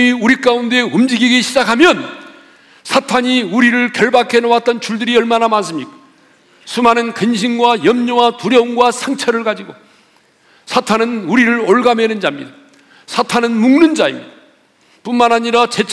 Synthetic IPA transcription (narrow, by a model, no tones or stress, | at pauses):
iuɾik͈aunde̞ɯmd͡ʑiɡiɡiɕʰid͡ʑakʰamjʌn | sʰatʰaɲiuɾiɾɯɭkjʌɭbakʰe̞nowat̚t͈ʌnt͡ɕuɭdɯɾiʌɭmanamans̬͈ʰɯmik | sʰumanɯnkɯnɕ̬ʰimɡwajʌmɲowatuɾjʌuŋɡwasʰaŋt͡ɕʰʌɾɯɭɡad͡ʑiɡo | sʰatʰanɯnuɾiɾɯɾoɭɡame̞nɯnd͡ʑamɲḭda | sʰatʰanɯnmuŋnɯnd͡ʑaḭmɲid̥a | punmanɦaɲiɾat͡ɕe̞t͡ɕʰ